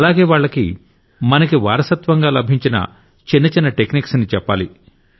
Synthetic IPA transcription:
ɐlaːɡe̞ːʋaːɭːɐkḭ | mɐnɐkiʋaːɾɐsɐt̪ʋɐŋɡaːlɐbʱiɲt͡ʃinɐ̰ | t͡ʃinːɐt͡ʃinːɐʈekniːksnit͡ʃɛpːaːli

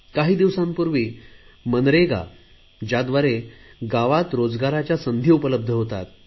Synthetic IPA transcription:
kaɦiːd̪iʋsãmpuɾʋiːmənɾeɡa̰ | d͡ʑjad̪ʋaɾeɡaʋat̪ɾod͡zɡaɾat͡ɕjasənd̪ʱiupələb̚d̪ʱəɦot̪a̰t̪

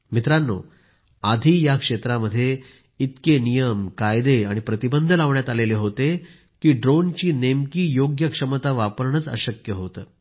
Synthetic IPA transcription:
mit̪ɾanːo̰ | ad̪ʱiːjakʂet̪ɾaməd̪ʱːje | it̪kenijəmkajd̪eaɽ̃ipɾət̪ibənd̪ʱəlaʋɳjat̪aleleɦot̪e | kiːɖɾont͡ɕiːnemkiːjoɡjəkʂəmət̪aʋapəɾɳət͡sə̰ɕəkjəɦot̪ə̰ː

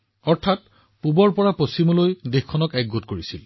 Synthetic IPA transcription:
ɔɹtʰat̚ | pubɔɹpɔɹapostimɔlojdexkʰːɔnɔkɛk̚ɡotkoɹisḭl

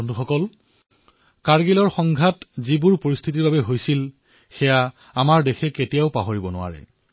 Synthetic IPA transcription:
ɔnduxɔkɔl | kaɹɡilɔɹxɔŋɡʱatzibuɹpoɹist̪ʰitiɹbabɛɦojsil | xɛja | amaɹdexʰɛketijaʊpaɦoɹibɔnʊ̰wa̰ɹɛ̰

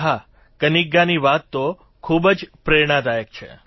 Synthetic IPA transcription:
ɦa | kəniɡːaniʋat̪ːo | kʰubd͡ʒpɾeɽ̃ãd̪ajək̚t͡ʃʰḛ

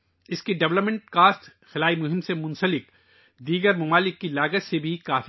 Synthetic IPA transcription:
ɪskiɖɐʋləpmɛ̃ɳʈkaːsʈ | xɪlaːimʊɦɪmsemʊ̃nsəlɪk | d̪iːɡəɾmɐmaːlɪkːilaːɡət͡ʃsebʱikaːf

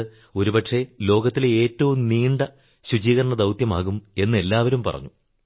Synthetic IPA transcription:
o̞ɾupɐʈʂe̞lo̞ːɡɐt̪ːileeːtːɐʋumniːɳɖɐ | ɕud͡ʑiːɣɐɾɐɳɐd̪ɐwt̪jɐma̰ːɣume̞nːɨe̞lːaːʋɐɾumpɐ̰rɐ̰ɲːu

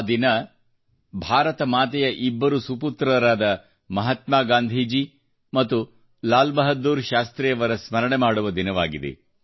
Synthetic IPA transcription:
d̪inɐ | bʱaːɾɐt̪ɐmaːt̪ɛjɐʔibːɐɾusuput̪ɾɐɾaːd̪ɐ | mɐɦɐt̪maːɡaːnd̪ʱiːd͡ʒi | mɐt̪ːu | laːlbɐɦɐd̪ːuːɾʃaːst̪ɾɛjɐʋɐɾɐsmɐɾɐɳemaːɽuʋɐd̪inɐʋa̰ːɡid̪ḛ

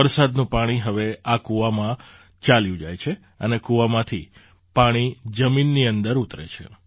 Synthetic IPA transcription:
əɾsad̪nũpaɽ̃iɦəʋeakuʋamã | t͡ʃaljũd͡ʒajt͡ʃʰe | ənekuʋamãt̪ʰi | paɽ̃id͡ʒəminːiənd̪əɾut̪ɾḛt͡ʃʰḛ

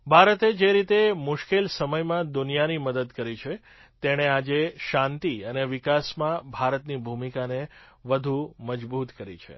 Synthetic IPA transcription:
bʱaɾət̪ed͡ʒeɾit̪emʊʃkelsəməjmãd̪unijaniməd̪əd̪kəɾit͡ʃʰe | t̪eɽ̃ead͡ʒeʃãnt̪iəneʋɪkasmãbʱaɾət̪nibʱumikaneʋəd̪ʱuməd͡ʒbut̪kəɾit͡ʃʰḛ

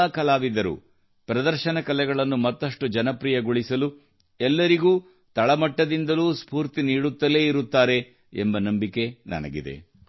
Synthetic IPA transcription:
aːkɐlaːʋid̪ɐɾṵ | pɾɐd̪ɐɾʃɐnɐkɐlɛɡɐɭɐnːumɐt̪ːɐʂʈud͡ʒɐnɐpɾiːjɐɡoɭisɐlu | ɛlːɐɾiɡuː | t̪ɐɭɐmɐʈːɐd̪ind̪ɐluːspuːɾt̪iniːɽut̪ːɐle̞ːiɾut̪ːaːɾe̞ | embɐnɐmbike̞nɐ̰nɐ̰ɡḭd̪ḛ

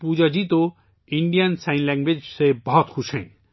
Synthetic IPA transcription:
pud͡ʒʌd͡ʒit̪o | iɳɖijansajnlaŋɡwed͡ʒsebʌɦɔt̪kʰusẽj̃

